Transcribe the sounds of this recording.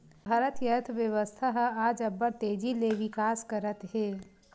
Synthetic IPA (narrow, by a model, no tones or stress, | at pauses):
bʱɐɾət̪jət̪ʰʋjəʋəst̪ʰaɦaːd͡ʒɐbəɾt̪eːd͡ʒileʋɪkaːskəɾət̪ɦeː